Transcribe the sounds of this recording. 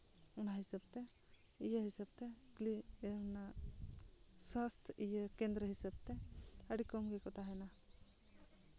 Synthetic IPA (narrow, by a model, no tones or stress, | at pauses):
unaɦisab̚t̪ɛ | ijəɦisab̚t̪ɛklina | swast̪ʰʔijəkɛ̃nd̪ɾəɦisab̚t̪ɛəɽikɔmɡɛkɔt̪ʰaɦɛna